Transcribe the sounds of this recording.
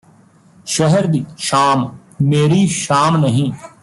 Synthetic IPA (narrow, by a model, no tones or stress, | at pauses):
ʃəɦəɾd̪iːʃaːm | meːɾiːʃaːmnəɦĩː